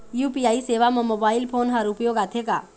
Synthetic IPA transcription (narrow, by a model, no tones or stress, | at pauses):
juːpiaːiseːʋamomoːbaːɪlpʰoːnɦɐɾʊpjoːɡaːt̪ʰeka̰ː